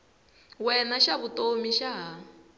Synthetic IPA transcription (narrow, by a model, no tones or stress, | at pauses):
wɛnaʃaβutomiʃaɦa